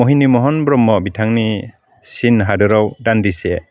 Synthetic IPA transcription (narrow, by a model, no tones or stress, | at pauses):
ɔɦinimɔɦɔnbɾɔmːɔbitʰaŋni | sinɦadɯɾawdandise